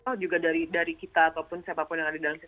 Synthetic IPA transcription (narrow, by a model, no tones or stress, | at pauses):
ɔd͡ʒuɡadaɾidaɾikit̪aːp̪apʊnsiapapʊnjaŋadadalams